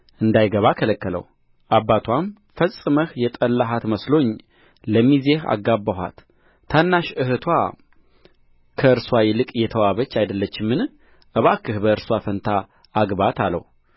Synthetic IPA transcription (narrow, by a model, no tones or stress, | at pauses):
ʔɨnd̪ajɡəβakʰələkːələ̰w | ʔabːat̪ʰwam | fəsʼɨməhjɛt̪ʼəlːaɦat̪məslo̞ɲ | ləmizeha̰ɡːabːəɦa̰t̪ʰː | anːaʃɨhɨt̪ʰwa | kʰəɨɾswajɛlɨkʼjɛt̪ʰəwaβət͡ʃːajd̪əlːət͡ʃːɪmːɨn | ʔɨβakʰːɨhbəɨɾswafənt̪ʰaː | ɡbat̪ʰalːə̰w